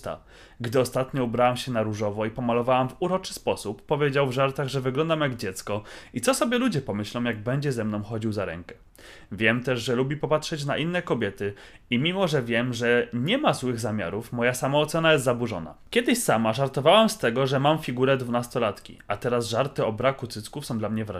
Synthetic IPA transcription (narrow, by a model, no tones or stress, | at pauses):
t̪a̰ | ɡd̪ɘɔst̪at̪ɲɔubɾawamɕɛnaɾuʐɔvɔipɔmalɔvawamvuɾɔt͡ʂɘ̥spɔsupːɔvʲjed͡ʑawvʐaɾt̪aɣʐɛvɘɡlɔnd̪amjaɡd͡ʑɛt̪skɔit̪sɔsɔbʲjɛlud͡ʑɛpɔmɘɕlɔ̃w̃jaɡ̚bɛɲd͡ʑɛzɛmnɔ̃w̃xɔd͡ʑiwzaɾɛ̰ŋkɛ | vʲjɛmt̪ɛʐʐɛlubʲipɔpatʂɛt͡ɕnaʔinːɛkɔbʲjɛt̪ɘ | imʲimɔʐɛvʲjɛmʐɛɲɛmazwɘɣzamʲja̰ɾufmɔjasamaːt̪sɛnajɛst̪zabuʐɔ̰na̰kʲjɛd̪ɘɕsamaʐaɾt̪ɔvawamst̪ɛɡɔʐɛmamfʲiɡuɾɛd̪vunast̪ɔlat̪kʲḭat̪ɛɾasʐaɾt̪ɘɔbɾakut̪sɘtskufsɔ̃w̃d̪lamɲɛvɾa̰